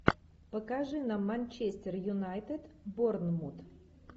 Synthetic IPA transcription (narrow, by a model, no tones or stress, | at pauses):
pəkaʐɨnamːanʲt͡ɕesʲt̪ʲerjʊnajt̪et̪bornmut̪